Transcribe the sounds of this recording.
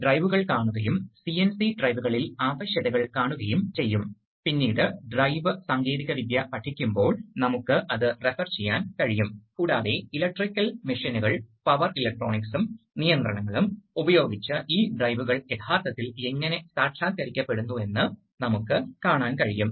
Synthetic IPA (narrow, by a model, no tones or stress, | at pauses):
ɖrɐjʋuɣɐɭkaːɳuɣɐjumsiensiɖrɐjʋuɣɐɭilaːʋɐɕjɐðɐɣɐɭkaːɳuɣɐjumt͡ɕe̞jːum | pinːiːɽɨɖrɐjʋɨsɐŋɡiːðiɣɐʋid̪jɐpɐʈʰːikʲːumbo̞ːɭnɐmukːɨʔɐðɨrefɐrt͡ɕejːaːnkɐɻijumkuːɽaːðe̞ilɐk̚ʈrikʲːɐlmiʂinuɣɐɭpɐʋɐrilɐk̚ʈro̞ːɳiksumnijɐnd̪rɐɳɐŋːɐɭumubɐjo̞ːɡit͡ɕːɨʔiːɖrɐjʋuɣɐɭe̞t̪ʰaːrt̪ːɐt̪ːile̞ŋːɐne̞saːʈʂaːkːɐɾikʲːɐpːe̞ɽunːue̞nːɨ | nɐmukːɨkaːɳaːnkɐɻijum